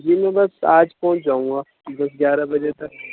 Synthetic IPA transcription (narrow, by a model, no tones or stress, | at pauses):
d͡ʒimẽbɐsaːd͡ʒpɔ̃ːt͡ʃd͡ʒaːũŋɡaː | b̪ɐs̬ɡʲjaːɾabɐd͡ʒet̪ɐk